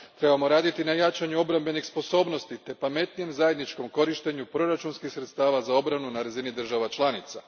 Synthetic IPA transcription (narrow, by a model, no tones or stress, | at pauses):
t̪ɾe̞bamo̞ɾaːd̪it̪inajat͡ʃaɲuo̞bɾambe̞nixspo̞so̞ːbno̞st̪it̪e̞pame̞t̪nije̞mzaje̞d̪nit͡ʃko̞mko̞ɾiʃt̪e̞ɲupɾo̞ɾat͡ʃunskixsɾe̞t̪st̪aːʋazao̞bɾanunaɾazinid̪r̩ʒaʋat͡ʃlˠaːnit̪sa